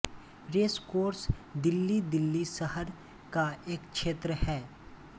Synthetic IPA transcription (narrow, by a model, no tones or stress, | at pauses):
ɾeːskoːɾsd̪ɪlːid̪ɪlːisəɦəɾ | kaeːkʃeːt̪ɾəhɛː